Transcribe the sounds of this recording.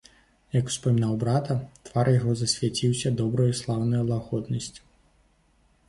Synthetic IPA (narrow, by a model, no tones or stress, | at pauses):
jɐku̥spɐmʲinawbɾat̪ɐt̪v̥arjaɣɔzɐsʲvʲat͡sʲiwsʲɐd̪ɔbɾɐjuslˠawnɐjulˠaɣɔd̪nɐsʲt͡sʲ